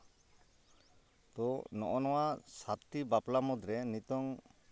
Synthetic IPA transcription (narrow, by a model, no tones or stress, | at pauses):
t̪ɔnɔ̰ʔɔnɔwasat̪ibaplamɔd̪ɾɛnit̪ɔŋ